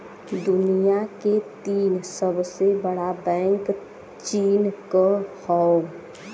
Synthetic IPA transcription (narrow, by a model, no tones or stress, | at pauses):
d̪ʊnijaket̪iːnsəbsebəɽabɛ̃ːŋk | t͡ʃiːnkəhɔ